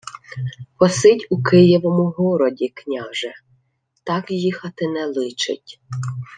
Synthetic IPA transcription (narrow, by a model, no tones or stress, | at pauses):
pɔsɪtʲukɪjɔʋɔmʊɦɔɾɔdʲiknʲɑʒɛ | t̪ɑkjixɐt̪ɪnɛlˠɪt͡ʃɪ̰tʲ